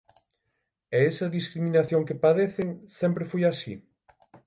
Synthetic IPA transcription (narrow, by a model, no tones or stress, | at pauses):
eesɐðiskɾiminaθjoŋkepaðeθɪŋsɛmpɾɪfojasḭ